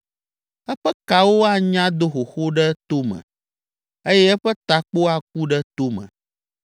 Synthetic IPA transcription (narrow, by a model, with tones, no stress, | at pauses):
ɛ˦ɸɛ˦ka˨wo˦a˦ɲã˦d̪o˦xo˨xo˦ɖɛ˦t̪o˦mə̰̃˨ | ə˦jɛ˦ɛ˦ɸɛ˦t̪a˨k͡po˦a˨k̚u˦ɖɛ˦t̪o˦mə̰̃˨